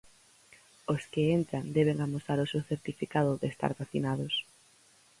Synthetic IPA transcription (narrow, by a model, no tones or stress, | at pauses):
oskɪent̪ɾand̪ɛβ̞eŋamosaɾosewθeɾt̪ifikaðʊðɪːst̪a̰ɾβaθinað̞ʊs